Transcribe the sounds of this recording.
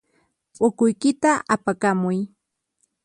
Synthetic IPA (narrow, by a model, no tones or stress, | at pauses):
pʼʊkʊjkɪt̪aʔapakamʊj